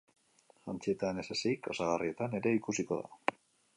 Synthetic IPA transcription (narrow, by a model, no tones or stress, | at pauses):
ʝant͡sie̞t̪anesesejkosaɣ̞arie̞t̪ane̞ɾe̞ikusiko̞ða̰